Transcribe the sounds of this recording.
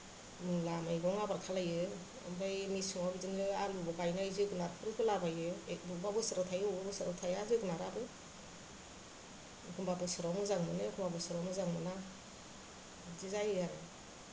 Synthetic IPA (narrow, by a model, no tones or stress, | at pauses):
mɯŋlamajɡɔŋabaɾkʰalajɯ | a̰mbajmisɯŋawbizɯnɯalubɔɡajnajzɯɡɯnaɾkʰɯɾɯkʰɯlabajɯek̚bubabɯsɯɾatʰajɯbɯsɯɾawtʰajazɯɡɯnaɾabɯ | kʰɯmbabɯsɯɾɔmɯzaŋmɯnɯkʰɯmbabɯsɯɾɔmɯzaŋmɯna | zizajɯaɾɯ̰